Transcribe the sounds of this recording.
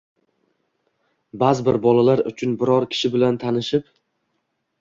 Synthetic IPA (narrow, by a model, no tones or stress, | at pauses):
bazɪbɪɾbɒlalaɾʊ̰t͡ʃʰʊnbɪɾɒɾkʲʰɪ̥ʃɪbɪlant̪ʰanɪʃɪp